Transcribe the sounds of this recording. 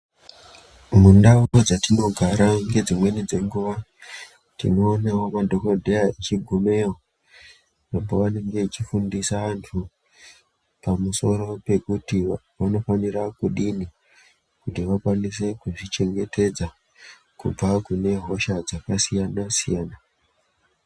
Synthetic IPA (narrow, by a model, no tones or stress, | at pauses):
mundauod͡zatino̞ɡʱaɾaŋɡe̞d͡zimwe̞nid͡ze̞ŋɡuʋa | tḭno̞ːnawo̞madʱo̞kodʱejaet͡ʃiɡʱume̞o | namboʋane̞ŋɡe̞t͡ʃifundisaʋantʰu | pamuso̞ɾo̞pe̞kuti | ʋano̞fanirakuɗini | kutiʋakwanis̬e̞kuʐit͡ʃe̞ŋɡe̞tʰe̞d͡za | kṵb͡vakune̞ɦo̞ʃad͡zakasijanasijaːna